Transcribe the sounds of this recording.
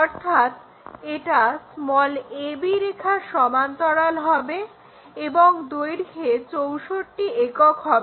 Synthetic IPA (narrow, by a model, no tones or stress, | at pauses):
ɔɾt̪ʰat̪ | eʈasmɔlebiɾekʰaʃɔmant̪ɔɽalɦɔbe | eboŋd̪ojɾket͡ɕowʃoɾʈiekokɦɔbe